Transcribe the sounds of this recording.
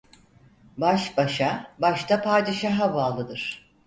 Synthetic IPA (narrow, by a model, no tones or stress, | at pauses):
baʃbaʃabaʃt̪ʰapʰaɾd̪iʃaɦavaːlˠɯd̪ɯɾ̥